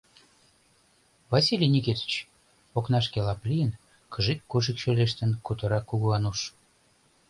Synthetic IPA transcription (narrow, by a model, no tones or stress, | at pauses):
vɑsʲilʲinʲiket̪i̥t͡ɕ | oknɑʃkelɑplʲijən | kəʒikːuʒikʃøleʃ̬t̪ə̆nkut̪ə̆ɾɑkːuɣuɑnuʃ